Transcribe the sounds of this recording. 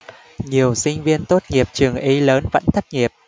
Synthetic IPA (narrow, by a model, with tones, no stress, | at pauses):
ɲi˨˩əwsï˧ŋ̟vi˧ənt̪o˦˥t̚ŋi˨˩əp̚t͡ɕɨ˨˩əŋʔi˨˧˦ləː˨˦nvə̰˧˥nt̪ʰə˦˥k̚ŋi˨˩əp̚